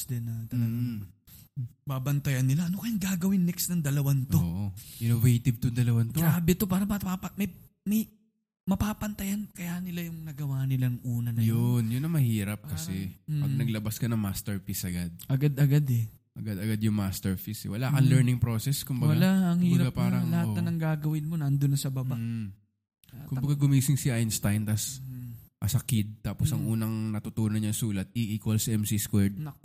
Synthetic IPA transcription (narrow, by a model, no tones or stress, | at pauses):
d̪ɛnɐt̪ɐlɐɡa | baːbɐnt̪ɐjɐnːɪlaʔɐnokɐjɐŋɡaːɡɐwɪnːɛksnɐŋd̪ɐlɐwant̪oʔoʔɪnovejt̪ɪb̚t̪ʊd̪ɐlɐwant̪oɡɾaːbɛt̪o̞paːɾɐmɐapɐmɐj | mɐj | mɐpaːpɐnt̪ɐjankɐjaːʔnɪlajʊŋnɐɡɐwaːnɪlaŋʔuːnɐnɐjonjʊnːɐŋmɐhiːɾɐp̚kɐsɛpɐɡ̚nɐɡlɐbaskɐnɐŋmaːst̪ɛɹfisʔɐɡad̪̚ʔɐɡad̪ɐɡad̪ɛ | ʔɐɡad̪ɐɡad̪jʊŋmaːst̪ɛɹfisɛ̰wɐlaːʔɐŋlɛɹnɪŋpɾoːsɛskʊmbɐwɐlaɐŋhiːbɾɐɡapaːɾɐlɐhat̪ɐnɐŋɡaːɡɐwɪnmonɐɐnd̪onːɐsɐbɐba | kʊmbɐɡaɡʊmiːsɪŋsiʔajnst̪ajnt̪ɐs | ʔɐsɐkid̪̚t̪aːposʔɐŋʔuːnɐŋnɐt̪ʊt̪uːnɐnːɐŋsuːlɐt̪̚iʔiːkwɐlsɐʔɛmsiskwɛɹd̪̚nɐ